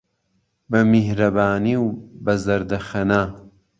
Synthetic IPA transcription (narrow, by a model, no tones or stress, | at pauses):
bɐmihɾɐbaːniwbɐzɐɾd̪ɐxɐnaː